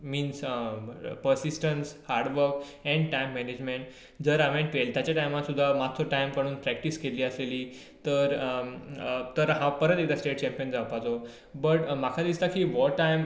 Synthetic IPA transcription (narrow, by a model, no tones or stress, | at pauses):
miːns | pəɾsisʈənshaɾɖʋəɾk | ɛ̃ɳɖʈajmːɛned͡ʑmẽɳʈ | d͡zəɾamẽʈʋelt̪jat͡ɕjaʈajmat̪sud̪ʱːamat̪ʰːoʈajmkəɽ̃uːnpɾɛk̚ʈiskeliːəseliː | t̪əɾ | t̪əɾɦãpəɾət̪ek̚d̪asʈeʈ̚t͡ɕɛ̃mpijənd͡zaʋpat̪o | bəʈmakʰad̪ist̪akiːʋɔajm